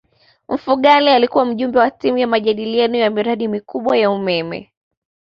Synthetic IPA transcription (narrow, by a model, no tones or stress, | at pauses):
m̩fuɠalialikuwam̩ʄumbɛwatimujamaʄaɗilianujamiɾaɗimikuɓwajaumɛmɛ̰